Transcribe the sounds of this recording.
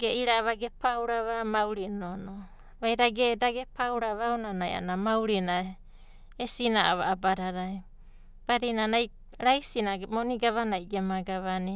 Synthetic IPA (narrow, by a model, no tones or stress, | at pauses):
ɡeiɾaːβaɡepawɾaβamawɾinono | βajɾaɡedaɡepawɾaβawnanaja̰namawɾina | esinaaβa̰ːbaɾaɾaj | b̥aɾinanaj | ɾajsinaɡmoniɡaβanajɡemaɡaβani